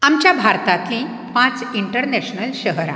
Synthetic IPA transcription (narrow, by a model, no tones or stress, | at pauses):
amt͡ɕjabʱaɾt̪at̪lĩ | pãt͡siɳʈəɾneɕnəlɕəɦɾã̰